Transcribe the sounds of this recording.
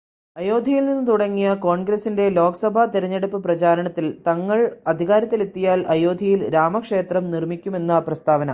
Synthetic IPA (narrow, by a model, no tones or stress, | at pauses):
ɐjo̞ːd̪ʱijilninːɨt̪uɽɐŋːijɐko̞ːɳɡɾɐsːinde̞lo̞ːkɐsɐbʱɐt̪iɾɐɲːeɽupːɨprɐt͡ɕaːɾɐɳɐt̪ːilt̪ɐŋːɐɭɐd̪ʱiɣaːɾɐt̪ːilet̪ːijaːlʔɐjo̞ːd̪ʱijilɾaːmɐkʂe̞ːt̪rɐmnirmikʲːume̞nːɐprɐst̪ʰaːʋɐnɐ